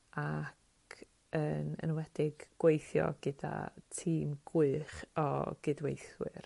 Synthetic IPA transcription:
akʰ | əːnə̰nwɛd̥ɪɡ̥ɡ̥wejθjɔ̰ɡ̥ɨda̰tʰiːmɡ̥ʊɨχɔɡ̥ɨdwejθwɪɨ̰r

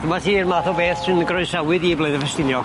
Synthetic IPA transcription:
r̥əmatiːrmaθɔbeːθtʰɨnəɡrɔɨsawɨðibleɨðəvɛstɪnjɔ

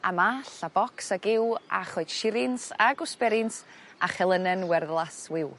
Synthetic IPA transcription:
a̰maɬabɔksaɡɪwa̰χoɨd̥ʃɪɾɪnsa̰ɡʊspɛɾɪnsaχɛlˠənənwɛrðlˠaswɪw

